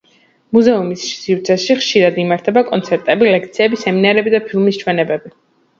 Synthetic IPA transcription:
muzɛumissivt̪sʰɛʃiχʃiɾad̪imaɾt̪ʰɛbakʼɔnt̪sʰɛɾt̪ʼɛbilɛkʰt̪sʰiɛbisɛminaɾɛbid̪apʰilˠmist͡ʃʰwɛnɛbɛbi

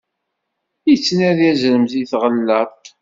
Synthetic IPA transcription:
it͡sːnæðjæzɾəmziθʁəlːəɾˤt̪

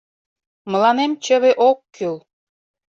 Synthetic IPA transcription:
mə̆lɑnemt͡ɕəβeʔokːyl

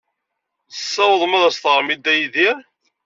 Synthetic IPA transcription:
θəsːæwəðˤmæðæst̪əʁɾmid̪æjiðiɾ

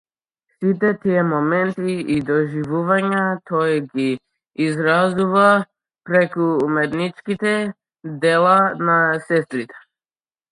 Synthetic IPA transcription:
sit̪ɛt̪ijɛmɔmɛnt̪iid̪ɔʒivuvaɲat̪ʰɔɡiː | zɾazuva | pɾɛkuːmɛt̪nit͡ʃkit̪ɛ | d̪ɛlˠanasɛst̪ɾit̪ɛ̥

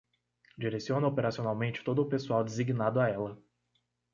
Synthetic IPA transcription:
d͡ʒiɾesiõnɐopeɾasionawmẽnt͡ʃɪ̥t̪od̪ʊːpesuawd͡ʒ̪eziɡinad̪ʊaɛlɐ

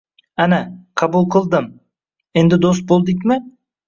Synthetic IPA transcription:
ænæqʰɑbulˠqʰɯlˠd̪ɯm | end̪ɪd̪ost̪̚bo̞lˠd̪ɯk̬ʲmɪ

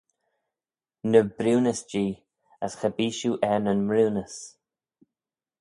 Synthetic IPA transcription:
nəbɾuːnəsd͡ʒiː | əsxəbiːʃuːʔɛnənmɾuwnəs

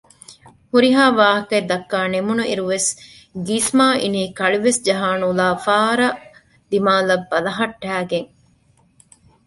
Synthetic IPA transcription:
huɾiɦaːʋaːɦɐkɐed̪ɐkːaːnemunuʔiɾuʋes | ɡismaːʔiniːkɐɭiʋesd͡ʒɐɦaːnulaːfaːɾɐʔ | d̪imaːlɐbːɐlɐɦɐʈːæːɡeŋ

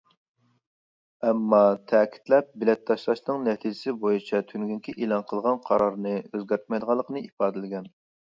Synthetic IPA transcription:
ɛmːɑt̪ʰɛːkʲʰi̥t̪lɛp̚bɪlɛt̪ʰːɑʃlˠɑʃnɨŋnɛt̪ʰid͡ʒɪsɪbojit͡ʃʰɛt̪ʰynɡʲyŋkʲiʔelˠɑnqʰəlˠʁɑnqʰɑɾɑɾnɨøzɡʲɛɾt̪̚mɑjd̪əʁɑlˠːəqənɨipɑːd̪ɪlɪɡʲɛn

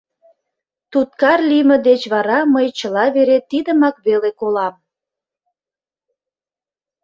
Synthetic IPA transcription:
t̪ut̪̚kɑrliməd̪et͡ɕβɑɾɑməjt͡ɕəlɑβeɾet̪id̪əmɑkβelekolɑm

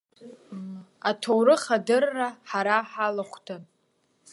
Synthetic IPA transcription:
atʰowɾɨχadɨrːaħaɾaħalaχʷtʰan

